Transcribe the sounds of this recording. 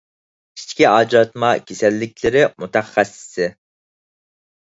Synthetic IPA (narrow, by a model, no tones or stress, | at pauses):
i̥t͡ʃkʲiɑːd͡ʒɑt̪mɑkʲʰesɛlːɪk̚ʲlɪɾɪmut̪ʰɛχːɛsːɪ̥sɪ